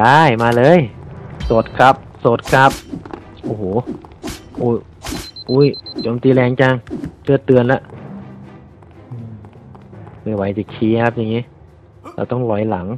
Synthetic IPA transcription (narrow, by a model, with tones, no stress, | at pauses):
aː˧˩jmaː˧lɤː˧˥˨jsoː˨˩t̪̚kʰa˦˥p̚soː˨˩˦t̪̚kʰa˦˥p̚ | ʔoː˧˩hoː˨˦ | ʔuː˧˩ | ʔuː˧˥˨jt͡ɕoː˨˦mt̪iː˧lɛː˧˩ŋt͡ɕa˧˩ŋt̪ɯ˧˩ət̪ːɯ˧ənla˦˧˥ʔ | ʔɯː˧˩m | ʔɯː˧˩wa˨˦jti˧˩kʰiː˧kʰa˦˥p̚ja˨˩ŋːiː˦˥ | la̰ː˧˩wt̪ɔ˥˩ŋlɔ˨˦jla˩˦ŋ